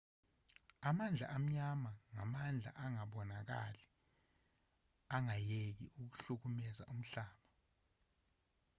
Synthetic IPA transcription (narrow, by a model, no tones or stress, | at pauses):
amand͡ɮʱa̰ʔam̩ɲamaŋamand͡ɮʱa̰ʔaŋaɓɔnak̬a̰lɛ | aŋajek̬ḭuk̬u̥ɬuk̬umɛza̰ʔum̩ɬaːɓa